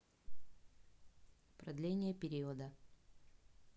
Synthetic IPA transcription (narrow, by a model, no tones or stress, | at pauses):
pɾɐd̪lʲenʲɪjəpʲɪɾʲiod̪ə